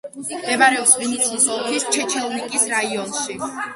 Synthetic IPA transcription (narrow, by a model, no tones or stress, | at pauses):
md̪ɛmaɾɛɔpsvinit̪sʰiːsɔlˠkʰist͡ʃʰɛt͡ʃʰɛlˠnikʼisɾaiɔnʃi